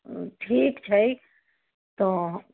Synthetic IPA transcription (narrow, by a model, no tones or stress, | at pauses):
ʈʰiːkt͡ʃʰəj | t̪o